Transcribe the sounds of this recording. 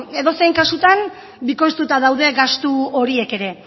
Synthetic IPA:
e̞ðo̞se̞jŋkasut̪an | biko̞st̪ut̪aðawðe̞ɣast̪uo̞ɾie̞ke̞ɾe̞

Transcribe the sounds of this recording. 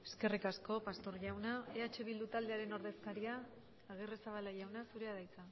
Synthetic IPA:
e̞ske̞rikasko̞past̪o̞ɾʝawnaeat͡ʃe̞βild̪ut̪ald̪e̞aɾe̞no̞ɾðe̞skaɾiaː | ɣ̞eresaβ̞alaʝawnasuɾe̞aðajt͡sa

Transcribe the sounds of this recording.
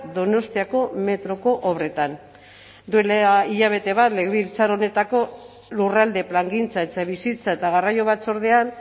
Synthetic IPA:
d̪o̞no̞st̪iako̞me̞t̪ɾo̞ko̞ʔoβɾe̞t̪an | d̪uelaiʎaβ̞e̞t̪e̞βat̪leɣβilt͡saɾo̞ne̞t̪ako̞ | lurald̪e̞plaŋɡint͡saet͡saβisit͡sae̞t̪aɣarajo̞β̞at͡so̞ɾðe̞an

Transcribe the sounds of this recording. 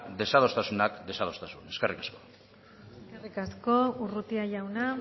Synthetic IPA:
d̪e̞saðo̞st̪asunakd̪e̞sað̞o̞st̪asune̞skerikasko̞̥ | skerikasko̞urut̪iaʝawna

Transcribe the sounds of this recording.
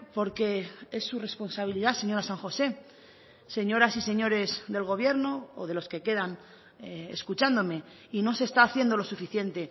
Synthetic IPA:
po̞ɾke̞e̞sːure̞spo̞nsaβ̞iliðase̞ɲo̞ɾasaŋxo̞se̞ | se̞ɲo̞ɾasise̞ɲo̞ɾe̞zðe̞lɣo̞β̞je̞ɾno̞o̰ð̞e̞lo̞ske̞ke̞ðan | eḛskut͡ʃand̪o̞me̞ | ino̞sest̪aːθje̞nd̪o̞lo̞sufiθje̞nt̪e̞

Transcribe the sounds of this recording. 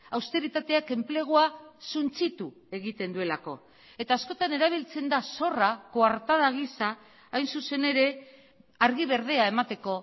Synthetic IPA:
awst̪e̞ɾit̪at̪e̞ake̞mple̞ɣ̞oasunt͡sit̪u | e̞ɣit̪e̞nd̪ue̞lako̞̰ | e̞t̪aːsko̞t̪ane̞ɾaβ̞ilt͡se̞nd̪aso̞rakoaɾt̪að̞aɣ̞isa | ajnsuse̞ne̞ɾe̞ | aɾɣ̞iβ̞e̞ɾð̞e̞ae̞mat̪e̞ko̞

